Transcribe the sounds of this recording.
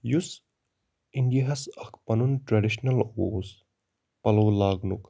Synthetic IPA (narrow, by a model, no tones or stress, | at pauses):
jus | iɳɖiɐɦɐsɐkʰpɐnunʈɾɐɖiʃnɐloːs | pɐloːlaːɡnṵk